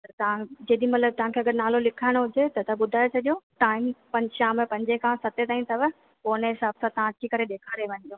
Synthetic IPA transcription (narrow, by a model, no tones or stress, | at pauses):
pɐɾt̪ɐʋãd͡ʑeːɗimɐt̪ləb̚t̪ɐʋ̤ãkʰeɐɡəɾnaːlolɪkʰaːɪɽ̃ɦʊd͡ʑet̪ɐt̪ʰɐbʊd̪ʱaːesʰɐʄjoʈaːɪmpɐ̃ɲʃaːmẽpɐ̃ɲd͡ʑekʰãsɐt̪et̪aːĩnt̪ʰɐʋə | koːneɦɪsaːb̚t̪ʰat̪ɐʋãt̪ʰikɐɾeɗeːkʰaːɾeʋɐ̃ɲd̪ioː